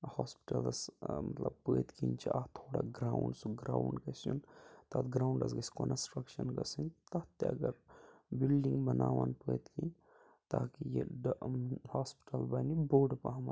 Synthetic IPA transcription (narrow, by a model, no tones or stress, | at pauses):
haspi̥ʈɐlsmɐt̪lɐb̚pəːt̪kʰint͡ʃʰiʔat̪ʰoːɽa̰ɡɾaːuɳɖsuɡɾaːwɳɖkɐsjunt̪at̪ɡɾaːuɳɖɐsɡɐsi̥konsʈɾɐkʃɐnɡɐsinʲt̪ɐt̪eɐɡɐɾbilɖiŋɡbɐnaːʋanpəːt̪kin | t̪aːkijiɖhaːspi̥ʈɐlbɐniboːɖpɐɦɐm